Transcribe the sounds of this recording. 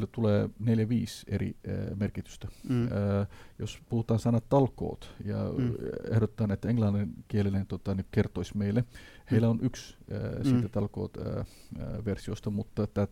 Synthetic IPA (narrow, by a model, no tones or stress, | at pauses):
lːæt̪uleːneljæʋiːsḛrḭmerkit̪y̥st̪æ | jospuhut̪ɑːnsɑnɑt̪t̪ɑlko̰ːt̪jɑ̰ehɾot̪ːɑːnet̪ːæeŋlɑnːenkielinent̪ot̪ɑnikert̪oisʲmeilːeheilːæonʔykssiːt̪æt̪ɑlko̰ːt̪ː | ʋersiost̪ɑmut̪ːɑet̪ːæːt